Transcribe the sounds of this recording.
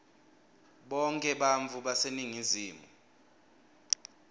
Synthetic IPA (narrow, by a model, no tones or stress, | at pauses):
ɓɔŋkʼɛɓaɱvʱuɓaseniŋiziːmu